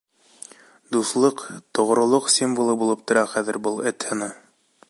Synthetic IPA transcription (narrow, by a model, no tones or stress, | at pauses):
d̪uθlˠɤqt̪ŏʁ̆ɾŏlˠoqsʲimvulˠɤbulˠɤp̚t̪ŏɾɑχæðɘ̆ɾbɤlˠɘt̪hɤ̆nɤ